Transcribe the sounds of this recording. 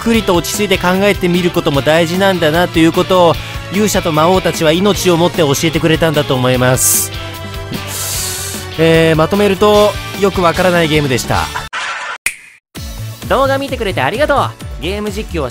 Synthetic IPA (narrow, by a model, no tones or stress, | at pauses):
kɯ̟ɾʲit̪o̞ːkʲi̥t͡sɨit̪e̞kãŋɡae̞t̪e̞mʲiɾɯ̟ko̞t̪o̞mo̞d̪aiʑinãnd̪anat̪ːo̞jɯ̟ːko̞t̪o̞ː | jɨːɕat̪o̞mao̞ːt̪at͡ɕiβ̞aino̞t͡ɕio̞mo̞t̪ːe̞o̞ɕie̞t̪e̞kɯ̟ɾe̞t̪ãnd̪at̪o̞ːmo̞imasɨ̥ | eːmat̪o̞me̞ɾɯ̟t̪o̞jo̞kɯ̟βakaɾanaiɡe̞ːmɯ̟d̪e̞ɕi̥t̪a̰ | d̪o̞ːɡamʲit̪e̞kɯ̟ɾe̞t̪eaɾʲiɡat̪o̞ːɡe̞ːmɯ̟ʑikʲːio